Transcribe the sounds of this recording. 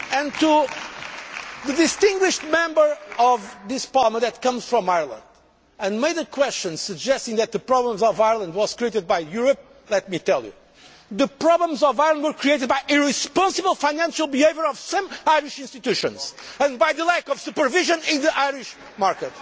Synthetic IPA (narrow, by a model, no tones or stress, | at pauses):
ɨ̃ntu | ðɨdɪstɪ̃ŋɡwiʃt̚mɛ̃mbə˞ɔvðɪspalˠmə̃ðɨt̪̚kʌ̃mz̥fɹɔ̃majəɹlˠə̰̃nd | ɨ̃nmeɪdɨkʰwɛst͡ʃɨ̃nsɨd͡ʒɛstɪ̃ŋðɨt̪̚ðɨpɹɔblə̃mzɔvaɪəɹlˠə̃nd̪̚wɔz̥kɹieɪtɨd̪̚bajjuɹəp̚ | lɛt̪̚mit̪ɛlˠjṵ | ðɨpɹɔblə̃mzɔvaɪəlˠə̃ndwə˞kɹieɪtɨd̪̚bajʔiɹispɑ̃nsɨbəlˠfãɪnæ̃nʃəlˠbiheɪvə˞ɔv̥sʌ̃maɪɹiʃɪ̃nst̪it̪ʉʃɨ̰̃nz̥ɨ̃nbajðəlækɔv̥supə˞viʒɨ̃nɪ̃nðəʔaɪɹiʃ | maɹkɨt